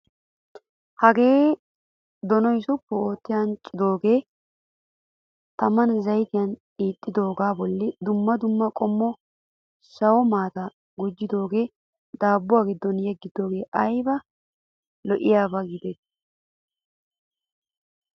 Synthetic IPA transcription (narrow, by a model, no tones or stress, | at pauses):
hɐɡe̞ː | d̪ɔnɔjsʊpːɛo̞ːt̪ːɪjaːnt͡ʃʼːɪd̪o̞ːɡe̞ː | t̪ɐmɐnzɐjt̪ɪjɐn | iːt̪ʼːɪd̪o̞ːɡaːbɔlːɪd̪ʊmːɐd̪ʊmːɐkʼɔmːɔ | sɐwɔmaːt̪a | ɡʊd͡ʒːɪd̪o̞ːɡe̞ː | d̪aːbːʊwaːɡɪd̪ːɔnjɛɡːɪd̪o̞ːɡeːʔɐjbɐ | lɔʔɪjaːbɐɡɪd̪et̪ː